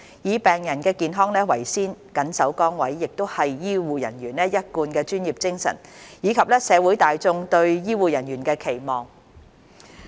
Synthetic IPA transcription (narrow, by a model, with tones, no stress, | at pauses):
jiː˨pɛː˨ŋjɐ˨˩nkɛː˧kiː˨nɦɔː˥ŋnɛː˥wɐ̰˨˩jsiː˥nkɐ˨˥nsɐ˨˥wkɔː˥ŋwɐ˨˥jːɪ˨k̚t̪o˥whɐ˨jːiː˥wuː˨˩jɐ̰˨˩nɥyː˨˩nlɛ˥jɐ˥t̚kuː˧nkɛː˧t͡ʃyː˥njiː˨p̚t͡sɪ˥ŋsɐ̰˨˩njiː˨˧kʰɐ˨p̚lɛː˥sɛː˨˧wu˨˥jt̪aː˨jt͡sʊ˧ŋt̪ɵ˧ɥjiː˥wuː˨˩jɐ˨˩njyː˨˩nkɛː˧kʰe˨˩jmɔː˨ŋ